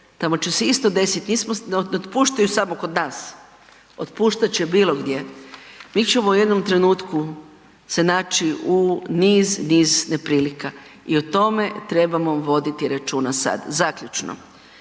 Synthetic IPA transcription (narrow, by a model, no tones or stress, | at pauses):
t̪amo̞t͡ʃeseist̪o̞d̪e̞sit̪niːsmonnot̪puːʃt̪ajusamoko̞d̪naːs | ot̪puːʃt̪at͡ʃebiːlo̞ɡd̪je̞miːt͡ʃemouje̞d̪nomt̪ɾe̞nuːt̪ku | se̞naːt͡ʃiuniːzniːzne̞pɾiːlika | iot̪o̞me̞t̪ɾe̞bamoʋo̞d̪it̪iɾat͡ʃuːnasa̰d̪zakʎut͡ʃno̰